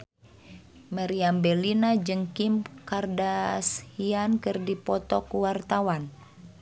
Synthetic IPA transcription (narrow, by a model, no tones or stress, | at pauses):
maɾiambɛlinad͡ʒɨŋkimkardashiankɨrdipɔt̪ɔkuwart̪awan